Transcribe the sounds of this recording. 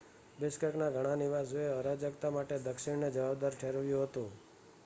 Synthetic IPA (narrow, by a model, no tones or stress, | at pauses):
bɪskəknaɡʱəɽ̃aniʋaseəɾad͡ʒəkt̪amaʈed̪əkʃɪɽned͡ʒəʋabd̪aɾʈʰeɾʋjũɦət̪ũ